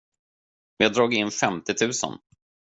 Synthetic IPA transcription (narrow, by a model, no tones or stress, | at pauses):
jɑːd̪ɾɑːɡɪnːfɛmt̪ɪt̪ʰʉ̟ːsə̰n